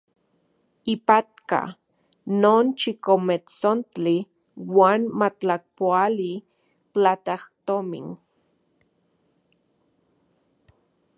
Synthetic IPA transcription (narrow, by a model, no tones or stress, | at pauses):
ipat̪ka̰ | noːnt͡ʃikomet͡sont͡ɬi | waːnmat͡ɬak̚poali | t͡ɬat̪aht̪omḭn